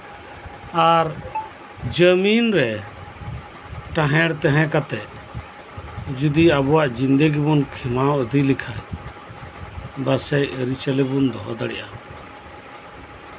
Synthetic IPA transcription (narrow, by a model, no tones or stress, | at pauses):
aɾ | d͡ʒəminɾɛ | ʈãɦɛ̃ɽt̪ɛ̃ɦɛ̃kat̪ɛʔ | d͡ʒud̪iabɔwaʔd͡ʒind̪əɡibunkʰɛmawʔəd̪ilikʰaj | basɛjɾit͡ʃəlɛbund̪ɔɦɔ̰d̪aɽɛ̰ʔa